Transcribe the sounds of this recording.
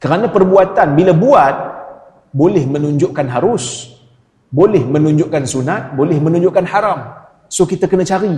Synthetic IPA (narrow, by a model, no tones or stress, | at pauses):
kəɾanãpərbuat̪anbilabuat̪̚ | bolɪhmə̃nuɲd͡ʒʊʔkanɦaɾʊs | bolɛhmə̃nũɲd͡ʒʊʔkansunat̪̚bolɪhmə̃nũɲd͡ʒʊʔkanhaɾam | sokit̪akənãt͡ʃaɾi